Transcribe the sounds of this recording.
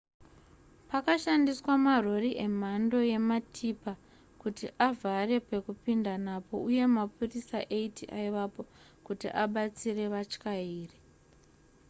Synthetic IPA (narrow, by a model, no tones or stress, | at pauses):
pakaʃandiswamaro̞riʔe̞m̤ando̞je̞matʰipa | kutiʔavʱare̞pe̞kupindanapo̞uje̞mapurisaʔe̞itiʔaiʋapo̞ | kutḭʔaɓat͡sire̞ʋat͡ʃkaiːre